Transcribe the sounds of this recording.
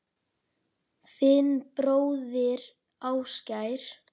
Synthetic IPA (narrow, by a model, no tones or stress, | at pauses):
θɪnpɾoːwðɪɾ | aːwscajɾ̥